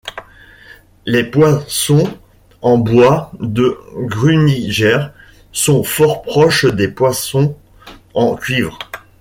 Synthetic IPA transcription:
lepwasɔ̃ | ɑ̃bwad̪əɡʁyniʒɛʁ | sɔ̃fɔʁpχɔʃd̪epwasɔ̃ | ɑ̃kʲɥivʁ

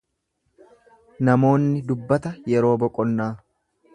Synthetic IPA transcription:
nɐmo̞ːnːɪd̪ʊbːɐt̪ɐjɛɾo̞ːbɔkʼːɔnːaː

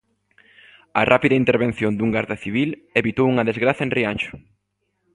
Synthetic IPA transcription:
ɐrapiðɐint̪eɾβẽn̟θjond̪uŋɡaɾðaθiβ̞ileβit̪owuŋɐðezɣɾaθɐenrianʃʊ̥

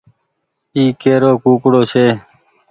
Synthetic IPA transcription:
iːkeːɾoːkuːkɽoːɕeː

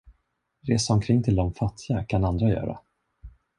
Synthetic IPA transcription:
ɾeːsaɔmkʰɾɪŋːt̪ʰɪld̪ɔmfat̪ʰːɪɡakʰanand̪ɾajœ̰ːɾa̰

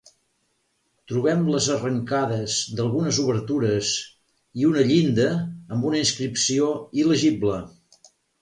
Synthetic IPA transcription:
t̪ɾuβ̞ɛmləzərəŋkaðəzd̪əlˠɣunəzuβəɾt̪uɾəz | iunəʎind̪əːmbunəinskɾipsioiləʒiblə

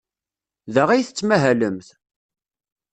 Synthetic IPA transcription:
ðəʁæjθət͡sːmæɦæləmθ

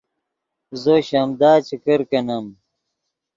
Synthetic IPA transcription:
zoɕɐmd̪aːt͡ɕikɐɾkɐnɐm

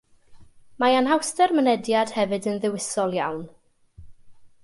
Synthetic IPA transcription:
maanɦawstɛrmənɛdjad̥hɛvɨdənðɪwɪsɔlˠjawn

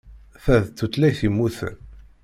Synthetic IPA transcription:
θæðt̪ːut̪læjθimːuθə̰n

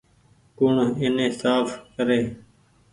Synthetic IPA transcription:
kʊɳɪnẽːsaːfkəɾeː

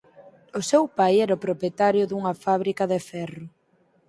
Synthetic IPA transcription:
ʊsewpajɛɾɐʊpɾopjet̪aɾjʊðuŋɐfaβ̞ɾikɐðefɛrʊ

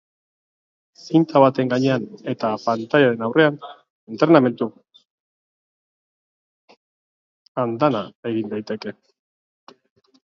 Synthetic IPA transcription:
sint̪aβat̪e̞ŋɡaɲe̞ane̞t̪apant̪aʎaɾe̞nawre̞an | ent̪ɾname̞nt̪u | and̪anae̞ɣind̪ajt̪e̞ke̞

